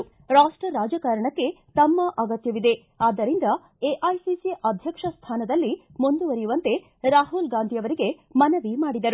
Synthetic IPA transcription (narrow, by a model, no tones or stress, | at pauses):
ɾaːsʈɾɐɾaːd͡ʒɐkaːɾɐɳɐkːe̞t̪ɐmːɐʔɐɡɐt̪jɐʋid̪e̞ | aːd̪ːɐɾind̪ɐ | eʔɐjsisiʔɐd̪ʱjɐkʂɐst̪ʰaːnɐd̪ɐlːimund̪uʋɐɾijuʋɐnt̪e̞ | ɾaːɦulɡaːnd̪ʱijɐʋɐɾiɡe | mɐnɐʋimaːɽid̪ɐɾu